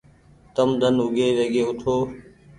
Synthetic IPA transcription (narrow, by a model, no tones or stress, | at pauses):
t̪əmd̪ʱənʊɡeːʋeːɡeːʊt̪ʰoː